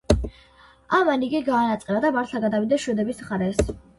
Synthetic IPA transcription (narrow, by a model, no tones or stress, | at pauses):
amaniɡiɡaːnat̪sʼqʼɛɾad̪amaɾt̪ʰlˠaɡad̪avid̪ɛʃwɛd̪ɛbismχaɾɛs